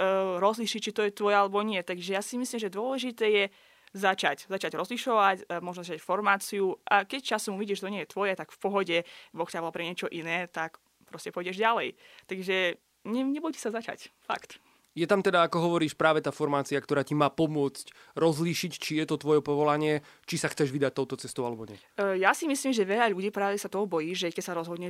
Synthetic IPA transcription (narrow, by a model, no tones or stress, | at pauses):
ɾɔzliːʃic̚t͡ʃit̪ɔjɛt̪ʋɔjalɛbɔɲɪɛt̪aɡʒɛjaːsimislimʒɛd̪ʊɔlɛʒit̪ɛːjɛ | zat͡ʃaczat͡ʃaɟɾɔzliʃɔʋacmɔʒnɔzat͡ʃacfɔɾmaːt͡siuʔakɛc̚t͡ʃasumuʋiɟiɛʒʃɛt̪ɔɲɪɛjɛt̪ʋɔjɛt̪aɡfpɔɦɔɟɛbɔxcaʋɔlpɾɛɲɪɛt͡ʃɔʔinɛːt̪ak | pɾɔscɛpɔjɟɛʒɟalɛjt̪aɡʒɛ | ɲɛɲɛbɔjci̥sazat͡ʃa̰cfa̰kt̪ | jɛt̪amt̪ɛd̪aːkɔɦɔʋɔɾiːʃpɾaːʋɛt̪aːfɔɾmaːt͡siakt̪ɔɾaːcimaːpɔmʊɔt͡sc | ɾɔzliːʃict͡ʃijɛt̪ɔt̪ʋɔjɛpɔʋɔlaɲɪɛ | t͡ʃisaxt͡sɛʒʋid̪ac̚t̪ɔʊt̪ɔt͡sɛst̪ɔʊalɛbɔɲɛ̰ | jasimisliːmʒɛʋɛʎaʎuɟiːpɾalisat̪ɔɦɔbɔjiːʒɛkɛcsaɾɔzɦɔd̪ɲɛ